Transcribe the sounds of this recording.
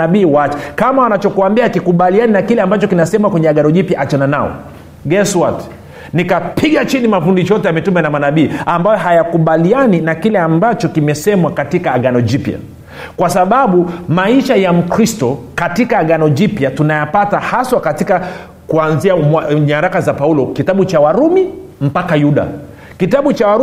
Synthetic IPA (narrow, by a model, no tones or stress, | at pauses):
aɓiːwat͡ʃɛkamawanat͡ʃɔkuambiakikuɓalianinakilɛambat͡ʃɔkinasɛmwakwɛɲɛaɠanɔʄipjaʔat͡ʃananaɔ̰ | ɡɛswat | nikapʰiɠat͡ʃinimafundit͡ʃɔtɛamɛtumɛnamanaɓiːambajɔɦajakuɓalianinakilɛambat͡ʃɔkimɛsɛmwakatikaːɠanɔʄipja̰ | kwasaɓaɓumaiʃajam̩kɾistɔkatikaːɠanɔd͡ʒipjatunajapatahaswakatika | kuanziaɲaɾakazapaulɔkitaɓut͡ʃawaɾumim̩pakajuɗa̰ | kitaɓut͡ʃawaɾ